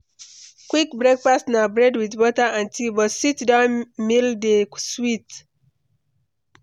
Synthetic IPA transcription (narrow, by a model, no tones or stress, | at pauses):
kwik̚bɹɛk̚pastnabɹɛdwidwɔtaãntibɔtsitdãnmildeswit